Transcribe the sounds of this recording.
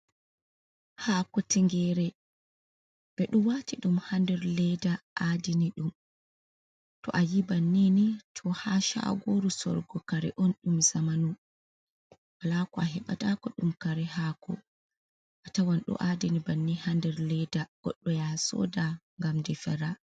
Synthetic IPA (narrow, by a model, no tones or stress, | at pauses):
haːkɔtiŋɡɛɾɛ | ɓɛɗumwatiɗumhandɛɾlɛdaʔadiniɗum | tɔ̰ʔajibanːinitʰɔhaʃa̰ɡoɾusɔ̰ɾɡɔkaɾɛ̰ʔɔnɗumzamanu | walakɔaɦɛɓa̰takɔɗumkaɾɛhaːkɔ̰ | ʔatawanɗṵʔadinibanːihandɛɾlɛdaɡ̥ɔ̰ɗːɔjasɔ̰ːda | ŋɡamdifɛɾa